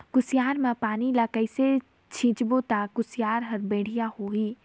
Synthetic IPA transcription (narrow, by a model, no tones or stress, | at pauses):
kʊsɪjaːɾmẽpaːnilakəɪse | t͡ʃʰĩːt͡ʃbot̪akʊsɪjaːɾɦɐɾbẽːɽ̤ijahoɦiː